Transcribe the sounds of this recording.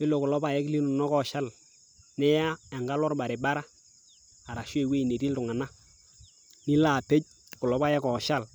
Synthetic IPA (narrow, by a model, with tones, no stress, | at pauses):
ɪ˦lo˨kʊ˨lɔ˦pa˨jɛ˦kli˦nu˨nɔ˦kɔ˨ʃa˦l | nɛ˦ja˦a˨ŋɡa˦lɔ˦rba˨ɾe˨ba˦ɾa˦ | a˨ɾa˨ʃwe˦˨we˦i˨ne˨ti˦ltʊ˨ŋa˨na˦ | ni˦la˦˨pe˦c̚ | kʊ˨lɔ˨pa˦jɛ˦kɔ˨ʃa˦l